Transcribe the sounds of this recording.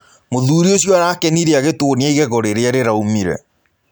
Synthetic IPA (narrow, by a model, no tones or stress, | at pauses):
moðuːɾiosjɔaɾaːkɛniɾeaɣetonjaiɣɛɣɔɾeɾeaɾeɾaumiɾɛ̰